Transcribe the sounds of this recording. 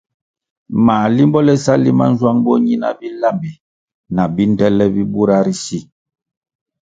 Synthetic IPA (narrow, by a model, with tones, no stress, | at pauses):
maː˨li˦mbɔ˦lɛ˦sa˦li˦ma̰˦n̩˦zwa˦ŋbo˦ɲi˦na̰˨bi˦la˦˨mbi˨ | na˨bi˦n˦dɛ˦lɛ˦bi˦bu˦ɾa˦ɾi˦si˦